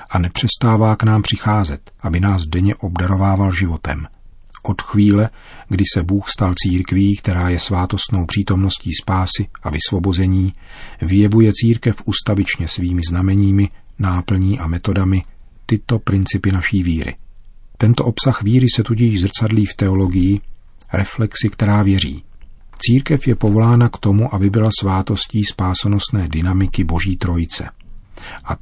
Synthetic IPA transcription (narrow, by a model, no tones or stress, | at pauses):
ʔanɛpr̥ɛst̪aːvaːknaːmpr̝̥ɪxaːzɛt̪ʔabɪnaːzdɛɲɛʔobdaɾo̞vaːvalʒɪvo̞t̪ɛ̰m | ʔo̞t̪xviːlɛɡdɪsɛbuːxst̪alt͡siːɾkviːkt̪ɛɾaːjɛsvaːt̪o̞st̪no̞wpr̥iːt̪o̞mno̞sciːspaːsɪʔavɪsvo̞bo̞zɛɲiːvɪjɛvujɛt͡siːɾkɛfʔust̪avɪt͡ʃɲɛsviːmɪznamɛɲiːmɪnaːpl̩ɲiːʔamɛt̪o̞damɪt̪ɪt̪o̞pɾɪnt͡sɪpɪnaʃiːviːɾɪ̰t̪ɛnt̪o̞ʔo̞psaxviːɾɪsɛt̪ucɪʒzr̩t͡sadliːft̪ɛo̞lo̞ɡɪjɪɾɛflɛksɪkt̪ɛɾaːvjɛɾḭːt͡siːɾkɛfjɛpo̞vo̞laːnakt̪o̞muʔabɪbɪlasvaːt̪o̞sciːspaːsono̞st̪nɛːdɪnamɪkɪbo̞ʒiːt̪ɾo̞jɪt͡sɛ̰ | ʔa